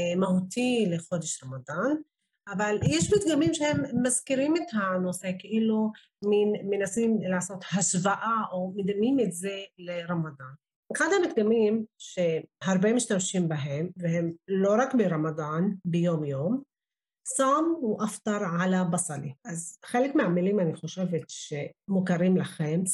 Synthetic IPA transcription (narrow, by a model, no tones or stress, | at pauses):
mahuːt̪iːlɪxod̪ɪʃɾˤɑmɑd̪ˤɑːn | ʔavalʔeːʃbɪt̪ɡamiːmʃhɪmːaskɪɾiːmɪt̪hanosekʔɪlu | mɪnmɪnʔasiːmlaʕsoːt̪haʃvaʔaʔamɪd̪amːiːmɪt̪zeːlɪɾˤɑmɑd̪ˤɑːn | kad̪amɪk̚d̪ɪmiːmʃehɑɾˤbeːmɪʃt̪amʃiːmbɪɦemvehemloɾˤɑkbiɾˤɑmɑd̪ˤɑːnbejoːmjoːm | sˤɑmwʔaft̪ɑɾˤʕalabɑsˤɑlḭʔazxeːlekmɪʕamːɪliːmʔanixoʃevet̪ʃemʊkaɾiːmlaxems